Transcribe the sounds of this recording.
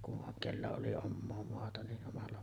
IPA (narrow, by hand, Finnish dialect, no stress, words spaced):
kuʔ ʔoŋ kelːæ oli omːoː moɑtɑ niʔ ʔomɑlːɑ